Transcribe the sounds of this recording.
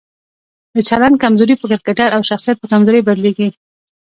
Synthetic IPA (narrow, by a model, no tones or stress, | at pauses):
d̪ət͡ʃaland̪̚kamzoɾipəkɪɾkaʈaɾawʃaxsijat̪̚pəkamzoɾəjbaɾleɡi